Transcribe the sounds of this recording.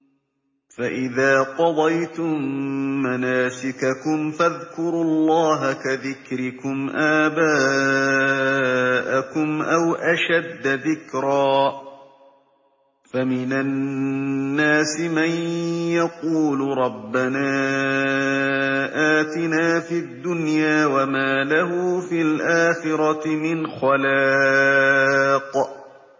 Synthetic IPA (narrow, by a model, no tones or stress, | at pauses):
faʔɪðaːqɑd̪ˤɑjt̪ʊmːanaːsɪkakʊmfaðkʊɾlˤːɑːɦakaðɪkɾɪkʊmʔaːbaː | ʔakʊmʔawʔaʃad̪ːaðɪkɾaː | famɪna | nːaːsɪmanjɑquːlɾˤɑbːanaː | ʔaːt̪ɪnaːfiːad̪ːʊnjaːwamaːlaɦʊfilʔaːxɪɾɑmɪnxalaː | q